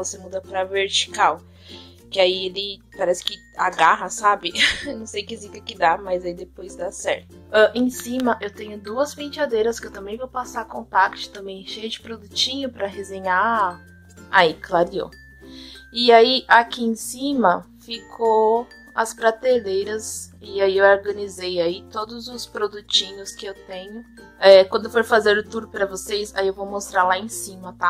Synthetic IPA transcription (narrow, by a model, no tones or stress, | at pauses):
vosemud̪ɐpɾɐveɾt͡ʃi̥kaw | kɪaielɪ | paɾɛsɪ̥kɪ | aɡaɦɐsabɪnɐ̃w̃sejkɪzikɐkɪd̪amɐzaid̪epojzd̪asɛɾt̪ʊ̥ɛʔẽsĩmɐʔewt̪ẽɲʊd̪uɐspẽt͡ʃad̪ejɾɐskɪewt̪ɐ̃mbẽj̃vowpasaɾkõt̪akt͡ʃɪ̥t̪ɐ̃mbẽj̃ʃejɐd͡ʒɪpɾod̪ut͡ʃĩɲʊpɾɐɦezẽɲa | aiklaɾio̰ | ɪaiakiẽsĩmɐfikʰo | ɐspɾat̪elejɾɐsɪaiewoɾɡɐ̃nizejait̪od̪ʊzʊspɾod̪ut͡ʃĩɲʊskɪewt̪ẽɲʊ | ɛkwɐ̃nd̪ʊefoɾfazeɾʊt̪uɾpɾɐvosejsa̰iewvowmost̪ɾaɾlaẽsĩmɐt̪a